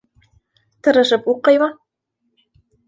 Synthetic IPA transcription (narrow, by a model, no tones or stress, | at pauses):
t̪ɤ̆ɾɤ̆ʒɘ̆puqːɤ̆jmɑ